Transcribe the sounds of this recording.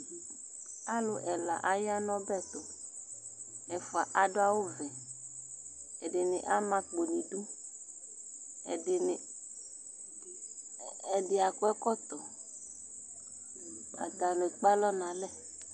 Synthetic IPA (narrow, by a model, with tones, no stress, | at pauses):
a˦lo˨ʔɛ˨la̰˨ʔa˨ja˦nɔ̃˦bɛ˦t̪ɔ˨ | ɛ˨fʊ˨a˨ʔa˨ɖo˦a˦wo˦vɛ˨ | ɛ˨de˨ne˨ʔa˦mã˦k͡po˨nĩ˨ɖu˦ | ɛ˨de˨n˨ | ɛ˨ɖɪ˨a˨kʊ˦ɛ˦kɔ˦t̪ɔ˨ | a̰˨t̪a˨lo˨k͡pa˦lɔ˦nã˨lɛ˦